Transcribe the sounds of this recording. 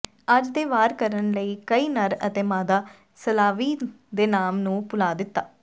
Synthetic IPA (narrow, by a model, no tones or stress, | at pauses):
əd͡ʒd̪eːʋaːɾkəɾənləiːkəiːnəɾə̰t̪eːmaːd̪aː | səlaːʋiː | d̪eːnaːmnũːpʊlaːd̪ɪt̪ːaː